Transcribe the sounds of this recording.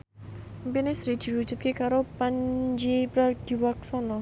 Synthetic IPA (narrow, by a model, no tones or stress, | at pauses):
mpinesɾid̪̥i̤ɾud̥ʒ̥ṳt̪̚kekaɾopaɲd͡ʒipɾaɡ̥iwak̚sɔnɔ